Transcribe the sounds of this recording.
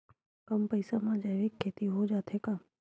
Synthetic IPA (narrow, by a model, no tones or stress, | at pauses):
kəmpəɪsamãːd͡ʒəʋeːkʰːeːt̪iɦod͡ʒaːt̪ʰekaː